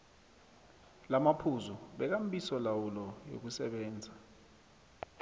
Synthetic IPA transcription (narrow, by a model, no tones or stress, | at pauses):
lamapʰuzuɓɛk̬am̩ɓisɔlawulɔjo̰k̬usɛɓɛːnd͡zʱa